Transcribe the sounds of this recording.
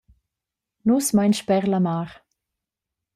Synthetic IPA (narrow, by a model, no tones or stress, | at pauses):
nusmajnʃpɛʁlamaːʁ